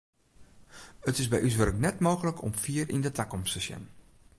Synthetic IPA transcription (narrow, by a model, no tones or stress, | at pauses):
ətɪsbɛjʔys̬ʋɵrəknɛtmoːɣələkʰɔ̰mfiːərindətʰakɔmstəsjɛ̰n